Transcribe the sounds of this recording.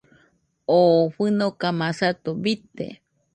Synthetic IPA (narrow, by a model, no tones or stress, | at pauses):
oɸɨnokamãsat̪obit̪ḛ